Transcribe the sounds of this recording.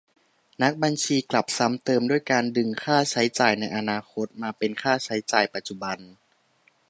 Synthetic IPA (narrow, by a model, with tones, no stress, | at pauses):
na˦˥k̚ba˧nt͡ɕʰiː˧kla˨˩p̚sa˦˥mt̪ɤː˧mdu˥˩əjkaː˧ndɯ˧ŋkʰaː˥˩t͡ɕʰa˦˥jt͡ɕaː˨˩jna˧jʔa˧naː˧kʰo˦˥t̪̚maː˧pe˧nkʰaː˥˩t͡ɕʰa˦˥jt͡ɕaː˨˩jpa˨˩t̪̚t͡ɕu˨˩ba˧n